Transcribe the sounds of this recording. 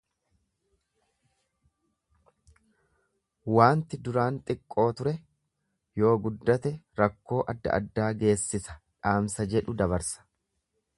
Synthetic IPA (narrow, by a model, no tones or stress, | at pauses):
waːnt̪ɪd̪ʊɾaːnt̪ʼɪkʼːo̞ːt̪ʊɾɛ | jo̞ːɡʊd̪ːɐt̪ɛɾɐkːo̞ːʔɐd̪ːɐ̰ʔɐ̰d̪ːaːɡe̞ːsːɪsɐ̥ᶑaːmsɐd͡ʒɛᶑʊd̪ɐβɐɾsɐ̥